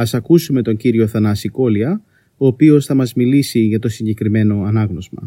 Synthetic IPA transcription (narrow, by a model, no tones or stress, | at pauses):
ɐsɐkusume̞t̪oɲɟiɾio̞θɐnɐsiko̞liɐ | oːpio̞sθɐmɐzmilisiʝɐt̪o̞siɲɟe̞kɾime̞no̞ɐnɐɣno̞zmɐ̰